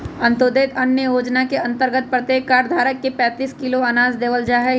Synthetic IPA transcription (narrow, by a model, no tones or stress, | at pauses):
ɐ̃nt̪od̪eːt̪ɐnjəjoːd͡ʒnakeɐ̃nt̪əɾɡət̪̚pɾɐt̪jeːkːaːɾd̪ʱaːɾəkːepɛ̃ːt̪iːskɪloɐnaːzd̪eːʋəld͡ʒaːɦɛ